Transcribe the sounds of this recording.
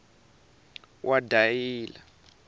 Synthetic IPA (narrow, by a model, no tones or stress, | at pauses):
wʔadʱajiːla